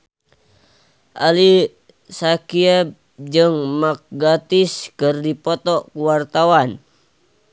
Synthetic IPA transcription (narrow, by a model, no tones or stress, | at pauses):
ʔali | sakiɛb̚ | d͡ʒɨŋmak̚ɡat̪iskɨrdipɔt̪ɔkuwart̪awan